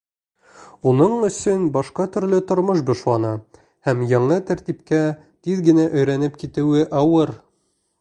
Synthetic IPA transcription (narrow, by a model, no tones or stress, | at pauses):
unɤɴɵ̆sɵnbɑʃqɑt̪ɵ̆ɾlɘt̪ŏɾmoʃ̬bŏʃlˠɑnɑ | hæmjɑɴɤt̪æɾt̪ipkæ | t̪iðɡɘ̆næʔɵ̆jɾænɘpkit̪ɘ̆wɘʔɑwɤɾ